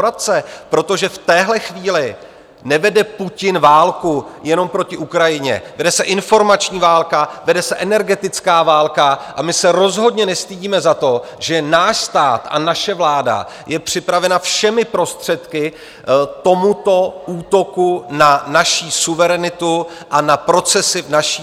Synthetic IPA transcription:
ɾat̪t͡sɛpɾo̞t̪o̞ʒɛft̪ɛːɦlɛxviːlɪ | nɛvɛdɛpucɪnvaːlkujɛno̞mpɾo̞cɪʔukɾajɪɲɛ̰vɛdɛsɛʔɪnfo̞ɾmat͡ʃɲiːvaːlkavɛdɛsɛʔɛnɛɾɡɛt̪ɪt͡skaːvaːlkaʔamɪsɛɾo̞zɦo̞dɲɛnɛst̪iɟiːmɛzat̪o̞ʒɛnaːʃst̪aːt̪ʔa̰naʃɛvlaːda̰ | jɛpr̝̥ɪpɾavɛnafʃɛmɪpɾo̞st̪r̝̥ɛt̪kɪ | t̪o̞mut̪o̞ʔuːt̪o̞kunanaʃiːsuvɛɾɛnɪt̪u | ʔanapɾo̞t͡sɛsɪvnaʃi

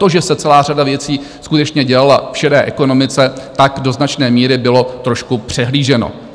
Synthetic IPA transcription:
t̪o̞ʒɛsɛt͡sɛlaːr̝adavjɛt͡siː | skut̪ɛt͡ʃɲɛɟɛlalafʃɛdɛːʔɛko̞no̞mɪt͡sɛt̪akdo̞znat͡ʃnɛːmiːɾɪbɪlo̞t̪ɾo̞ʃkupr̝̥ɛɦliːʒɛno̰

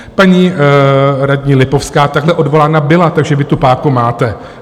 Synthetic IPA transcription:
paɲi | ɾadɲiːlɪpo̞fskaːt̪aɡlɛʔodvo̞laːnabɪlat̪aɡʒɛvɪt̪upaːkumaːt̪ɛ

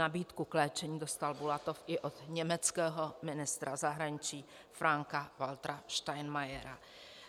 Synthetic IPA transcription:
nabiːt̪kuklɛːt͡ʃɛɲiːdost̪albulat̪ofɪʔod̪ɲɛmɛt͡skɛːɦomɪnɪst̪ɾazaɦɾaɲɪt͡ʃiː | fɾaŋkavalt̪ɾaʃt̪ajnmajɛɾa

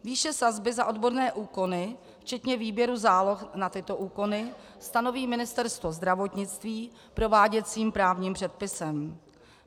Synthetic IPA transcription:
viːʃɛsazbɪzaʔo̞dboɾnɛːʔuːko̞nɪ | ft͡ʃɛt̪ɲɛviːbjɛɾuzaːlo̞xnat̪ɪt̪o̞ʔuːko̞nɪ | st̪ano̞viːmɪnɪst̪ɛɾst̪vo̞zd̪ɾavo̞t̪ɲɪt͡st̪viː | pɾo̞vaːɟɛt͡siːmpɾaːvɲiːmpr̝̥ɛt̪̚pɪsɛm

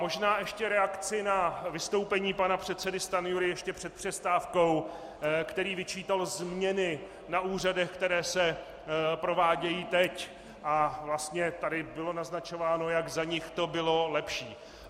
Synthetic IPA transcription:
mo̞ʒnaːʔɛʃcɛɾɛakt͡sɪnavɪst̪o̞wpɛɲiːpanapr̝̥ɛt̪t͡sɛdɪst̪anɪjuɾɪjɛʃcɛpr̝̥ɛt̪̚pr̥ɛst̪aːfko̞w | kt̪ɛɾiːvɪt͡ʃiːt̪alzmɲɛnɪ | naʔuːr̝adɛxkt̪ɛɾɛːsɛ | pɾo̞vaːɟɛjiːt̪ɛc | ʔavlast̪ɲɛt̪adɪbɪlo̞naznat͡ʃo̞vaːno̞jaɡzaɲɪxt̪obɪlo̞lɛpʃiː

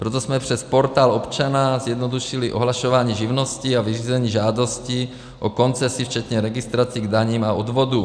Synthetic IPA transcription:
pɾot̪̬osmɛpr̝̥ɛspoɾt̪aːlopt͡ʃanazjɛd̪nod̪uʃiliʔo̰ɦlaʃovaːɲiːʒivnosciaviriːzɛɲiːʒaːdosci | ʔoko̞nt͡sɛsift͡ʃɛt̪ɲɛɾɛɡist̪ɾat͡siːɡd̪aɲiːmaod̪vod̪u

